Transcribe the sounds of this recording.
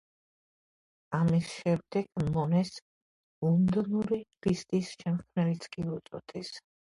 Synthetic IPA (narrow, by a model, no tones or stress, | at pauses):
amisʃɛmd̪ɛɡ̥mɔnɛs | und̪ɔnuɾivist̪ʼisʃɛmχkʰnɛlit̪sʰkʼiut̪sʼɔ̰t̪ʰʼis